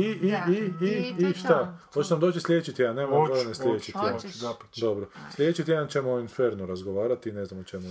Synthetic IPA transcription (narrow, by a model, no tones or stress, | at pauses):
iiiiiʃt̪ahoeonamd̪ot͡ʃislʲjet͡ʃit̪janeːmamojoɾneslʲjet͡ʃit̪jend̪obɾoslʲjet͡ʃit̪jeant͡ʃemoinfeɾnuɾazɡoʋaːɾat̪ineznamot͡ʃemu